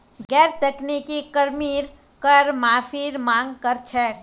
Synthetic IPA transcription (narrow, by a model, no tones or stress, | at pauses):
ɡɛɾt̪əknikikəɾmiɾ | kəɾmafʰiɾmãŋɡkəɾt͡ʃʰe